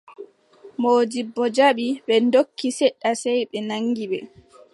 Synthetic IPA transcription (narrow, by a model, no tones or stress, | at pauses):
moːd͡ʒibːɔd͡ʒaɓiɓɛndokːisɛɗːasɛjɓɛnaŋːɡiɓɛ̰